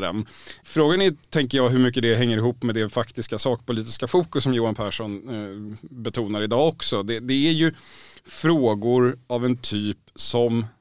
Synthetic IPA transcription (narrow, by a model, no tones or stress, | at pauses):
ɾɛ̰nfɾoːɡanɛt̪ʰɛŋkəjɑːɦɵɾmʏkːəd̪ɛɦɛŋːəɾɪɦuːpːmɛd̪ɛfakt̪ɪskasɑːk̚pʊliːt̪ɪskafuːkɵsːɔmjuːanpʰæːʂɔn | bɛt̪ʰuːnaɾɪd̪ɑːɔksɔd̪ɛd̪ɛæɾjɵfɾoːɡʊɾavɛnt̪ʰyːpsɔm